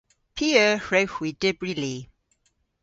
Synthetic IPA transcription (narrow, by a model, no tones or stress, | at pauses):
pʰiəɹexwidɛbɹili